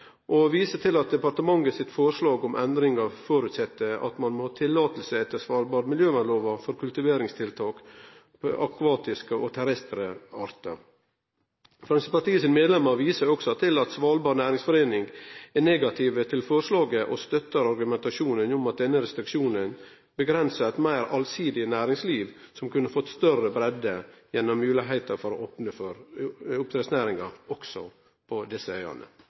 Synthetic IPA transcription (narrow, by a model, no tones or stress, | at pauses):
ʔɔʋiːsət̪ʰɪlɑt̪̚d̪ɛpɑɾt̪əmɑŋːəsɪt̪fɔʂlɑːɡʊmʔɛnd̪ɾɪŋɑʋfoːɾʉt̪sɛt̪ːəɑ̰t̪mɑnmohɑːt̪ʰɪlːɑːt̪lsəɛt̪ːəsʋɑːlbɑːɾtmɪljøːmɑloːʋɑfɔɾkʰʉlt̪ɪʋeːɾɪŋst̪ʰɪlt̪ʰɑːk | pʔɑkʰɑːt̪ɪskəʔɔt̪ʰɛɾɛst̪ɾəɑɾt̪ə̰ | fɾɑŋsəpɑt̪iːəsɪnmeːd̪lɛmːəɾʋiːsəɾɔksɔt̪ʰɪlɑt̪sʋɑlbɑːɾnæːɾɪŋsfɔɾeːnɪŋɡɛneːɡɑt̪ʰɪːʋət̪ʰɪlfɔɾʂlɑːɡəʔɔst̪œt̪ːəɾɑɾɡʉmɛnt̪ɑʂuːnənʊmɑt̪̚d̪ɛnːəɾɛst̪ɾɪkʃuːnən | bəɡɾɛnsət̪mæɪɾɑlsiːd̪ɪənæːɾɪŋsliːʋsɔmkʉnːəfɔt̪ːst̪œrəbɾɛd̪ːəjɛnːɔmːʉːlɪɦæɪt̪əɾfɔɾɔʔopnəføɾʊp̚t̪ɾɛsnæːɾɪŋɑɔksɔ | pʰɔd̪ɪsːəœʏɑ̰nə̰